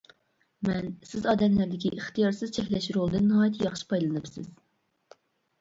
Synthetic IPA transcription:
mɛnsɪzɑːd̪ɛmlæɾd̪ɪkʲiʔiχt̪ʰijɑɾsɨzt͡ʃʰɛkʲlɛʃɾolˠɨd̪ɨnːɨɦɑːjt̪ʰjɑχʃi̥pʰɑjlˠɨnɨpsɪ̰z̥

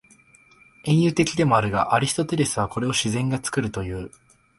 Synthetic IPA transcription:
ẽ̞ɰ̃jɯ̟ːt̪e̞kʲid̪e̞mo̞aɾɯ̟ɡa̰ʔaɾʲisi̥t̪o̞t̪e̞ɾe̞sɨβ̞ako̞ɾe̞o̞ɕizẽ̞ŋɡat͡sɨ̥kɯɾɯ̟t̪o̞jɯ̟ː

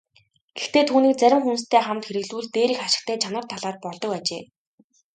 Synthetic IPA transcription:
ɡ̥ext̪eːt̪ʰuːniːk̚t͡sæɾʲɪ̆mxunst̪ʰæːχamt̪xeɾɘ̆ɣɮuːɮt̪eːɾiːxaʃɪ̆k̚t̪ʰæːt͡ɕʰanə̆rt̪ʰaɮaːr̚pɔɮt̪ɞ̆kat͡ɕḛː

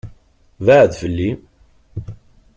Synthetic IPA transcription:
vaʕðfəlːi

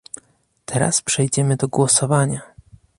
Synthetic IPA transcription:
t̪ʰɛɾa̰spʂɛjd͡ʑɛmɘd̪ɔɡwɔsɔvaɲa

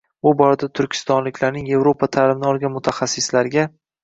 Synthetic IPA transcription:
bʊbɒɾad̪at̪ʰʊɾkʲʰɪ̥st̪ɒnlɪkʲlaɾnɪŋje̞vɾopʰat̪ʰaːlɪmɪnɒlˠɡʲanmʊt̪ʰaχasːɪslaɾɪɡʲa

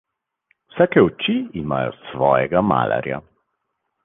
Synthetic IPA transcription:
wsaːkɛut͡ʃiimaːjɔ̰sʋɔːjɛɡama̰ːla̰ɾja̰

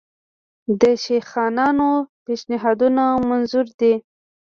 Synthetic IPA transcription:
d̪əʃexɑnɑnopeʃnɪɦɑd̪unamanzuɾd̪i

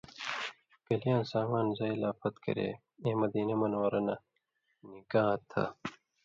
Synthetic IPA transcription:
kɐlijaːnsaːmaːnzɐilaːfɐt̪kɐ̰ɾḛ | eːmɐd̪iːnɐmɐnwɐɾɐnɐ | niɡaːt̪ʰɐ̰

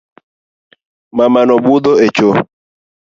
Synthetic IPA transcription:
mamanɔbud̪oet͡ʃo

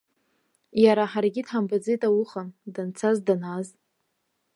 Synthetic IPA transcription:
jaɾaħarɡʲidħambad͡zijtʼawʊχandant͡sʰazdanaz

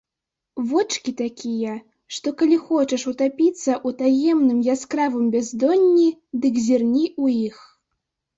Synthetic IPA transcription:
vɔt͡ʂkʲit̪akʲijɐ | ʂt̪ɔkalʲixɔt͡ʃɐʂut̪apʲit̪sːɐʔut̪ajɛmnɨmjaskɾavɨmbʲɛzd̪ɔnʲːid̪ɨkzʲirnʲiujix

